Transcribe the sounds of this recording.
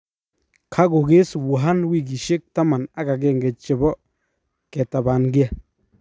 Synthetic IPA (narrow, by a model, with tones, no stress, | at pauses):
kʰa˦ɡʊ˨ɡe˦swu˨ɦa˦nwi˦˨ɡi˨ʃɪ˦k̚ta˦ma˨na˦ɡa˨ɡe˦˨ŋɡɛ˨t͡ʃɪ˨bɔ˦ | kɛ˨t̪a˨ba˨nɡi˦a˨